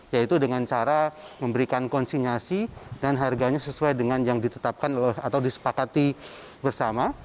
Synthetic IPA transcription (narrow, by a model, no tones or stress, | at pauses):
jait̪udəŋant͡ʃaɾaməmbəɾikankɔnsinasidanɦarɡaɲasəsuajdəŋanjaŋdit̪ət̪ap̚kanlat̪awdisə̥pakat̪i | bərsama